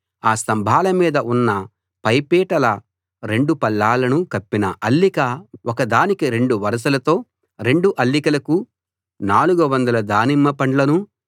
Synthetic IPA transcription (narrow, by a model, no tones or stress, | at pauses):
aːst̪ɐmbʱaːlɐmiːd̪ɐʔunːɐ | pɐjpiːʈɐlɐ | ɾe̞ɳɖupɐlːaːlɐnukɐpːinɐ̰ʔɐlːikɐɔkɐd̪aːnikiɾe̞ɳɖuʋɐɾɐs̬ɐlɐt̪o̞ː | ɾe̞ɳɖuʔɐlːikɐlɐku | naːluɡuʋɐnd̪ɐlɐd̪aːnimːɐpɐɳlɐnu